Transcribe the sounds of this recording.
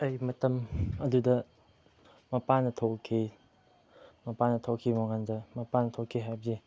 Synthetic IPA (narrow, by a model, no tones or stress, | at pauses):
ɐjmɐtɐmɐdudɐ | mɐpanɐtʰokʰːi | mɐpanɐtʰokʰːimoŋandɐmɐpanɐtʰokʰːiɦajbɐzi